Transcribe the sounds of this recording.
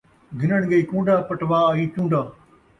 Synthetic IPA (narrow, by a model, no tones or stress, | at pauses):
ɡʱɪnəɽ̃ɡɐiːkũːɳɖaːpɐʈʋaːiːt͡ʃũːɳɖaː